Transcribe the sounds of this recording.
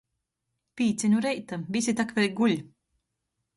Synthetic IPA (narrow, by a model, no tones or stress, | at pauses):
piːt̪sʲɛɲuɾɛjt̪avʲisʲit̪akvʲɛlʲɡulʲ